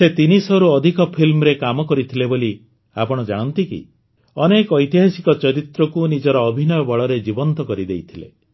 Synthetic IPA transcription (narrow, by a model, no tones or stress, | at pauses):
set̪inisɔɾuɔd̪ʱikɔpʰilmɔɾekamɔkɔɾit̪ʰileboli | a̰pɔɽ̃ɔd͡ʒaɽ̃ɔnt̪ikḭ | ɔnekɔjt̪iɦasikɔt͡ʃɔɾit̪ɾɔkunid͡ʒɔɾɔːbʱinɔjɔbɔɭɔɾed͡ʒibɔnt̪ɔkɔɾid̪ejt̪ʰilḛ